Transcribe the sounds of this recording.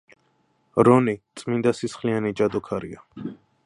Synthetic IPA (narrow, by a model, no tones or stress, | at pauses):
ɾɔnit̪sʼmind̪asisχlianid͡ʒad̪ɔkʰaɾḭa